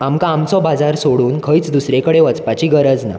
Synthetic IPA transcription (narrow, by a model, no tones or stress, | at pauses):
amkaamt͡sɔbad͡zaɾsoɽuːnkʰəjt͡sd̪usɾẽkəɽeʋət͡spat͡ɕiɡəɾəd͡zna̰